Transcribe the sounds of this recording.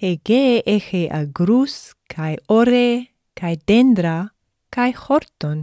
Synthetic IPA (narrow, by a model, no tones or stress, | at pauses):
heɡeʔexeʔa̰ɡɾuskʰajoɾe | kʰajd̪end̪ɾa | kajxoɾt̪on